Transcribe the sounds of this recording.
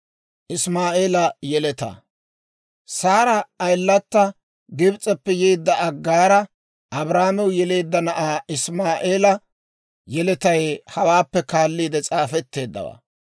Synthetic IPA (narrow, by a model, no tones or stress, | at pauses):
ʔɪsmaːʔeːlɐjɛlɛt̪ɐ̰ | saːɾɐːjlːɐt̪ːɐ | ɡɪbt͡sʼɛpːɛjeːd̪ːɐʔɐɡːaːɾɐ | ʔɐbɾaːmɛwjɛle̞ːd̪ːɐnɐʔaːɪsmaːʔeːlɐ | jɛlɛt̪ɐjhɐwaːpːɛkaːlːiːd̪ɛt͡sʼaːfɛt̪ːe̞ːd̪ːɐ̰wa̰ː